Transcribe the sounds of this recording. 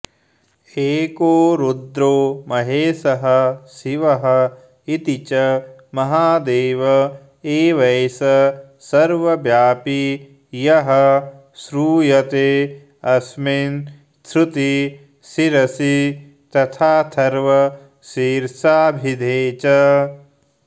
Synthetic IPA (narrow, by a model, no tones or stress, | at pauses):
eːkoːɾud̪ɾoːmɐɦeːsɐɦɐsiʋɐɦɐ̆ | it̪it͡ʃɐmɐɦaːd̪eːʋɐ | eːʋɐjsɐ | sɐɾʋɐbjaːpi | jɐɦɐ | sɾuːjɐt̪eː | ɐsmin | t̪ʰɾut̪i | siɾɐsi | t̪ɐt̪ʰaːt̪ʰɐɾʋɐ | siːɾsaːbʱid̪ʱeːt͡ʃɐ